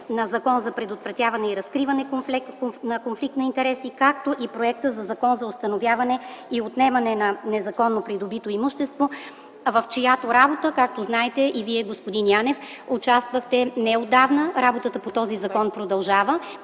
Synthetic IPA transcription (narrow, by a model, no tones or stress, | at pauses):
nɐzɐkɔnzɐpɾɛd̪ot̪vɾɐt̪javɐnɛiɾɐskɾivɐnɛkflnɐkonflik̚t̪nɐint̪ɛɾɛsikak̚t̪oʔipɾoɛk̚t̪əzɐzɐkɔnzɐost̪ɐnovjavɐnɛiot̪nɛmɐnɛnɐnɛzɐkɔnːopɾid̪obit̪oimuʃt̪ɛst̪vo | vɐft͡ʃejat̪oɾabot̪əkak̚t̪oznaɛt̪ɛʔiviɛɡospod̪injanɛfot͡ʃast̪vəxt̪ɛnɛod̪ːavnəɾabot̪ət̪əpot̪ɔzizɐkɔnpɾod̪ɐlˠʒavə